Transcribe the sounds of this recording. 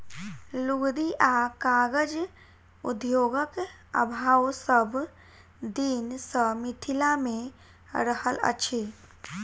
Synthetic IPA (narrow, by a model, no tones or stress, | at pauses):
luɡd̪iʔakaɡəd͡ʒ | ṵd̪joːɡək | ə̰bʱaːwsəb | d̪insəmit̪ʰilamẽ | ɾəhələ̰t͡ʃʰi